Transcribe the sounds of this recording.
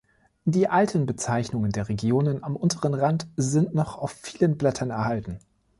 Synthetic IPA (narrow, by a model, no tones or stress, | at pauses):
d̥iːʔaltʰənbət͡saɪçnʊŋəndeːɐʁeɡjoːnənamʔʊntʰəʁənʁantzɪntnɔχaʊfːiːlənblɛtʰɐnɛɐhaltn̩